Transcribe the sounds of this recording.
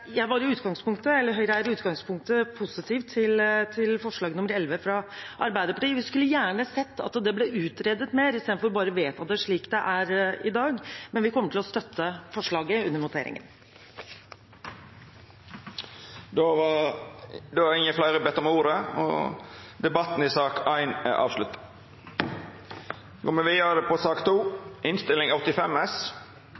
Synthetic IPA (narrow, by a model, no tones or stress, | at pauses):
jæɪʋɑɾɪʉːt̪ɡɑŋspʊŋkt̪əɛlːəɾɦœʏɾjæɾʉːt̪ɡɑŋspʰʊŋk̚t̪əpʰʊsɪt̪ʰiːft̪ʰːɪlt̪ʰɪlfɔʂɭɑːɡənʊməɾɛlʋəfɾɑʔɑɾbæɪd̪əɾpɑʈiːəʋɪskʉlːəjæːɳəsɛt̪ʰːɑ̰t̪d̪ɛblɛʉːt̪ɾɛːd̪ət̪meːɾɪst̪eːd̪fɔɾbɑːɾəʋeːt̪ɑt̪̚d̪ɛʂɭiːkd̪ɛʔæɾɪd̪ɑːɡmɛnʋɪkʰɔmːəʈʰɪlɔst̪œt̪ʰːəfɔʂɭɑːɡəʉnːəɾmʊt̪ʰḛːɾɪ̰ŋə̰n | d̪oʋɑ | d̪ɛːʋɑɪŋːəflæɪɾəbɛt̪ːɔmuːɾəɔ̰d̪ɛbɑt̪n̩ɪsɑːkæɪnæ̰ʔɑ̰ːʋslʉt̪ə̥ | ɡoːmɛʋiːd̪əɾəd̪ɛpʰɔsɑːkt̪ʰuːɪnst̪ɪlɪŋɔt̪ːɪfɛmɛs